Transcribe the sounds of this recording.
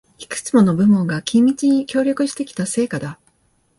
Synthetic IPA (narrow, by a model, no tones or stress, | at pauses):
i̥kɯ̟̥t͡sɨmo̞no̞bɯ̟mõ̞ŋɡakʲʰĩmʲːit͡ɕiɲ̟ikʲo̞ːɾʲo̞kɯ̟ɕi̥t̪e̞kʲi̥t̪ase̞ːkad̪a